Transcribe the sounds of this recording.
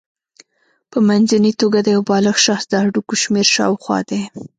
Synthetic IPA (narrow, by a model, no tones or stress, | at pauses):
pəmanzanit̪oɡad̪əjawbɑləxʃɑxsd̪əaɖukoʃmeɾʃɑ̰wxwɑ̰d̪e